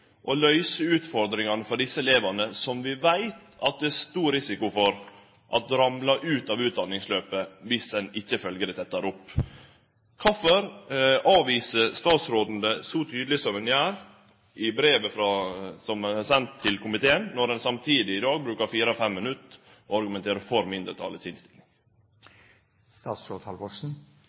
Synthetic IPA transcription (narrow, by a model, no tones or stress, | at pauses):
ʔɔlœʏsəʉːt̪fɔɾd̪ɾɪŋɑnəfɔɖɪsːəleːʋɑnəsɔmʋɪʋæɪt̪ɑt̪̚d̪ɛæst̪uːɾɪsɪkʊfɔɾ | ʔɑt̪ɾɑmlɑʔʉːt̪ɑːʋʉːt̪̚d̪ɑnːɪŋsløːpəʋɪsɛnɪçːəfœlɡəɾət̪ʰɛt̪ːɑɾʊpː | kʰɑfɔɾɑːʋiːsəɾst̪ɑːt̪sɾoːd̪n̩d̪əsɔt̪ʰyːd̪lɪsɔmɛnjæːɾ | ʔɪbɾeːʋəfɾɑsɔmsɛnt̪ʰːɪlkʰʊmɪt̪ʰeːənːɔɾɛnsɑmt̪ʰiːd̪ɪɪd̪ɑːɡ̚bɾʉːkɑɾfiːɾəɔfɛmːɪnʉt̪ː | ʔɔɑɾɡʉmɛnt̪ʰeːɾəfɔɾmɪnd̪ɾət̪ʰɑ̰ləsɪnst̪ɪlɪŋ | st̪ɑːt̪sot̪ʰɑlbɔʂn̩